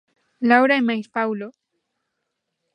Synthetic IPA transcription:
lawɾaimajspawlo

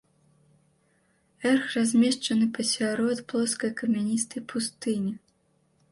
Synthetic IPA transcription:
ɛrxrazʲmʲɛʂt͡ʂɐnɨpɐsʲaɾɔt̪plˠɔskɐjkɐmʲɛnʲist̪ɨpʰust̪ɨnʲi

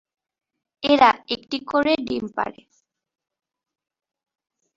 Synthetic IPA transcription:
eɾaekʈikoɾeɖimpa̰ɽḛ

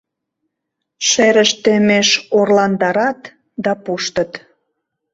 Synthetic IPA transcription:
ʃeɾəʃt̪emeʃorlɑnd̪ɑɾɑt̪ | d̪ɑpuʃt̪ə̆t̪

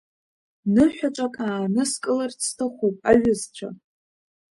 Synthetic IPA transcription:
nɨħʷᶣat͡ʃʷʼakʼaːnɨskʼɨlart͡sʰtʰɨχʷopʼaɥʷᶣʊzt͡ɕʷʰa̰

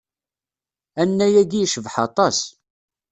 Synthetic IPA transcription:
ænːæjæɡiʃəvħɑt̪ˤɑs

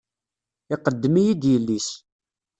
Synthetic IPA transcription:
ɪqəd̪ːəmijid̪jəlːis

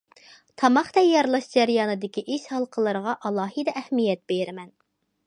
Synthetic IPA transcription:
t̪ʰɑmɑχd̪ɛjɑɾlˠɑʃd͡ʒæɾijɑːnɨd̪ɪkʲiʔiʃhɑlˠqʰəlˠəɾəʁɑʔɑlˠɑːɦɨd̪ɛʔɛhmijɛt̪̚b̥eɾɪmɛn

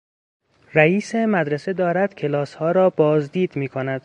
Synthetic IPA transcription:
ræiːsemæd̪ɾese̞d̪ɒːɾæd̪̥cʰe̞lɒːshɒːɾɒːbɒːzd̪iːd̪miːkʰonæd̪̥

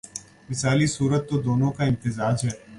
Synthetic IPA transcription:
mɪsaːlisuːɾət̪ːod̪oːnõkaɪ̃nt̪ɪzaːd͡ʒɦɛː

